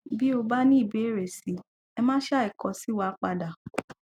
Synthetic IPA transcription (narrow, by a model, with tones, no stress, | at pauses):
bi˦o˧ba˦nĩ˦i˦˨be˨˦˨ɾe˨si˨˦ | ɛ˧mãː˦ʃa˦i˨kɔ̃˨˦si˨˦wa˧˦k͡pa˧da˨